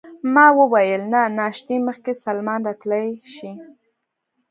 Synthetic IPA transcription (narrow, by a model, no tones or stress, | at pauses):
mɑwəwajəlnanɑʃt̪iməxkesalmɑnɾɑt̪lajʃi